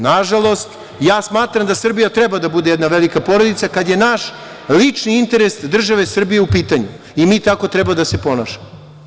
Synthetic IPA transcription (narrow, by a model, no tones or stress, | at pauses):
naʒalˠo̞st̪ | jaːsmaːt̪ɾamd̪asr̩bijat̪ɾɛbad̪abud̪ejɛd̪naʋelikapo̞ɾod̪it̪sakad̪je̞naʃ | lit͡ʂniint̪e̞ɾesd̪r̩ʒaʋe̞sr̩bije̞upiːt̪aɲu | imiːt̪ako̞t̪ɾɛbad̪ase̞po̞naːʃemo